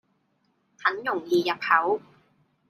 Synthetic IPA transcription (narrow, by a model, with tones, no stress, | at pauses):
t̪ʰɐ˨˥njʊ˨˩ŋjiː˨˧jɐ˨˩p̚hɐ˨˥w